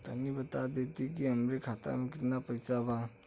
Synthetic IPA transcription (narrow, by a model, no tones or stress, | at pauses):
tʰɐnibɐtadetiɡiɐmɾikʰata̰mikitnapɐjsaba